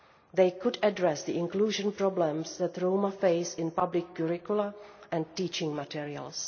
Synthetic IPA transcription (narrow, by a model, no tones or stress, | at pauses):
ðeɪkʊdədɹɛsðiɪ̃ŋkluːʒə̃npɹɔblə̃msðɛtɹoʊmafeɪsɪ̃npablɪkːɔɹɪkuləʔɛ̃ntiːt͡ʃɪ̃ŋmatiɹiə̰lˠs